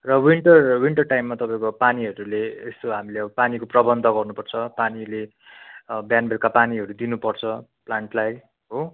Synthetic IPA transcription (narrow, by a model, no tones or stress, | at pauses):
rʌwiɳʈʌrwiɳʈʌrʈajmːat̪ʌpãĩkopaniɦʌɾuleest̪oɦamileʌbʌpanikoprʌbʌnd̪ʱʌɡʌrnupʌrt͡sʰʌpanile | bjanbelkapaniɦʌɾud̪inupʌrt͡sʰʌplaɳʈlaj | ɦo